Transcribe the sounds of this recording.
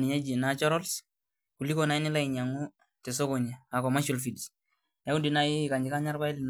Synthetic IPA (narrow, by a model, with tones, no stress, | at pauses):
ni˨ɲa˦d͡ʒi˨nat͡ʃɔ˦ɾɔ˦l | ku˨li˦kɔna˨i˦nɪ˦la˦i˨ɲa˨ŋu˦ | tɛ˨sɔ˦kɔ˨ɲa˨a˨kɔma˦ʃo˨lfi˨d | ja˦u˦ndi˨na˦ji˦˨ka˨ɲd͡ʒi˨ka˦ɲa˦ɾba˦i˦li˨n